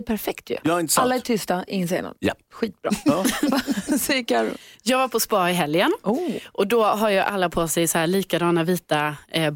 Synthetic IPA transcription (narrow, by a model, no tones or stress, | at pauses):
pʰæɾfɛkt̪ʰjɵ̰jɑːhaɾɪnəsalːaɛʈʰʏst̪aʔɪŋːəns̬ḛna̰njɛ̰pːɧiːt̪̚bɾɑ̰ | sɪkaɾjɑːɡvaɾpʰɔspɑːɪɦɛljənɔʔɔd̪ɔɦaɾjɵʔa̰lːapʰoːsɛjsɔhæːɭiːkad̪ɑːnaviːt̪a